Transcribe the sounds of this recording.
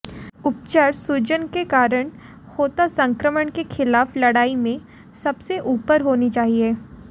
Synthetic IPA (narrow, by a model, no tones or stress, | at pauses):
ʊp̚t͡ʃəɾsud͡ʒənkekaːɾəɽ̃ | hoːt̪asɐ̃ŋkɾəməɳkexʰɪlaːflɐɽaːimẽ | sɐbseʔuːpəɾɦoːnit͡ʃaːɦieː